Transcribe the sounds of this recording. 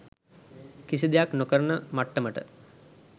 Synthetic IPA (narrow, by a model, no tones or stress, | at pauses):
kisid̪ejaknokəɾənəmaʈːəməʈə̰